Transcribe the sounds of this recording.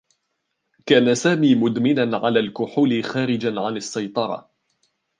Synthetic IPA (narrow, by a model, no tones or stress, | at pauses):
kaːnasaːmiːmʊd̪mɪnanʕa̰laːlkʊħʊlɪxaːɾɪd͡ʒanʕanasːajt̪ˤɑɾˤɑ̰